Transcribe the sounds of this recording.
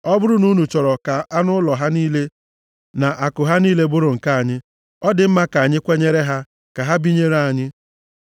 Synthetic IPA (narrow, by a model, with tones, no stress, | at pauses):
ɔ˦bʊ˦ɾʊ˦nu˦nu˨t͡ʃɔ˨ɾɔ˨ka˨a˦nʊ˦lɔ˨ɦa˦niː˦le˦ | na˨ʔa˨kʊ˨ɦa˦niː˦le˦bʊ˦ɾʊ˨ŋ̩˨ka˦a˨ɲɪ˦ | ɔ˦dɪ˨m̩˦ma˦ka˨a˨ɲɪ˦kʷe˦ɲe˦ɾe˦ɦa˦ | ka˨ɦa˦bi˦ɲe˦ɾa˨ɲɪ˦